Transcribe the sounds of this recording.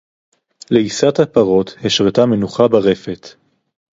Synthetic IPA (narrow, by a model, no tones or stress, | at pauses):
leisat̪hapaʁo̞t̪heʃʁet̪ame̞nuχabaʁe̞fet̪